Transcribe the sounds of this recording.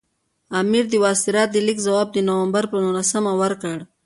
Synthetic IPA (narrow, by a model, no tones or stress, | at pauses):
amiɾd̪əwɑsiɾat̪̚d̪əlikzawɑːb̚d̪ənawambaɾpənulasamawəɾkəɽ